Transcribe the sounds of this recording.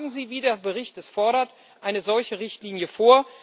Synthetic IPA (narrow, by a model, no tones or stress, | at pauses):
ɡŋ̩ziːviːdeːɐbəʁ̞ɪçt̚d̥ɛsfɔɐɾɐt | ʔaɪnəzɔlçəʁɪçtliːnjəfoːɐ